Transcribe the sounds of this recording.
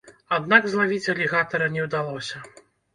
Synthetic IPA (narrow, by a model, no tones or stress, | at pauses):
ad̪naɡzlˠavʲit͡sʲɐlʲiɣat̪ɐɾɐnʲɛwd̪alˠɔsʲɐ